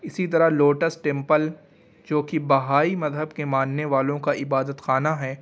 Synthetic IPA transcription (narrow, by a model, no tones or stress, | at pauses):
ɪsit̪̬ɐɾaloːʈəsʈẽmpəl | d͡ʒoːkibɐɦaːimɐzɦəbkemãːnneʋaːlõkaʔɪbaːd̪ət̪xaːnaɦɛː